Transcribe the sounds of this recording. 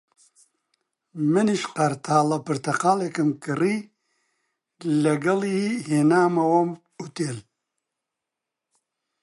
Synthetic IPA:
mɨniʃqɐɾt̪ʰaːlɐpɨɾt̪ʰɐqaːlekɨmkɨriː | lɐɡɐliheːnaːmɐwɐm | ut̪eːl

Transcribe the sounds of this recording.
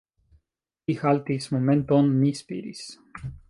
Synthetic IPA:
ixalt̪ismomẽnt̪onːispḭɾḭs

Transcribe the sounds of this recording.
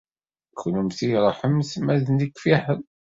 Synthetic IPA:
kʰːnumθiɾˤħəmsmæðnikfiħən

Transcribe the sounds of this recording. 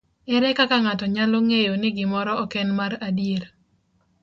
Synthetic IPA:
ɛɾɛkakaŋatɔɲaloŋejonɪɡɪmɔɾɔɔkɛnmaɾadjeɾ

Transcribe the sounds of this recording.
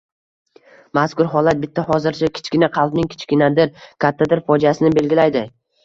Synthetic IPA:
maskʊɾɦɒlˠat̪̚bɪt̪ʰːaɦɒzɪɾt͡ʃʰakʲʰɪ̥t͡ʃkʲɪnaqʰɑlˠpnɪŋkʲʰɪ̥t͡ʃkʲɪnad̪ɪɾkʰʲat̪ʰːad̪ɪɾfɒd͡ʒiasɪnɪbe̞lɡʲɪlajd̪ɪ

